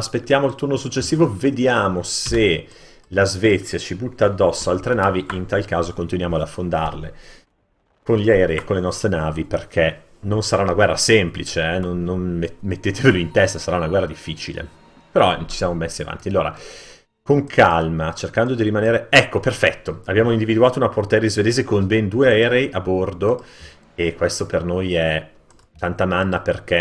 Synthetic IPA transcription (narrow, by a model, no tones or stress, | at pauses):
aspet̪ːjaːmoilt̪urnosut͡ʃːesːiːvoved̪jaːmose | lazvɛt̪sːjat͡ʃibut̪ːaːd̪ːɔsːoalt̪ɾenaːviʔint̪alkaːzokont̪inwjaːmoad̪afːond̪a̰rlḛ | konʎiaeɾekonlenɔst̪ɾenaːviperkʰe | nonsaɾaunaɡwɛrːasemplit͡ʃeɛnonːonmet̪ːeːt̪eveloint̪ɛst̪asaɾaunaɡwɛrːad̪ifːiːt͡ʃilḛ | peɾɔt͡ʃi̥sjamomesːiava̰nt̪ialːoːɾa̰ | koŋkʰalmat͡ʃerkand̪od̪iɾimaneːɾeɛkːoperfɛt̪ːoabjaːmoind̪ivid̪uaːt̪ounaport̪aɛɾizved̪eːzekonbend̪uːeaɛːɾeiʔabord̪o | ekwest̪opernojɛ | t̪ant̪amanːaperkɛ